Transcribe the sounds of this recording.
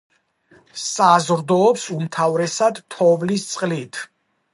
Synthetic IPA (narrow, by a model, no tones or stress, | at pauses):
sazɾd̪ɔːpsumt̪ʰavɾɛsad̪t̪ʰɔvlist̪sʼqʼlit̪ʰ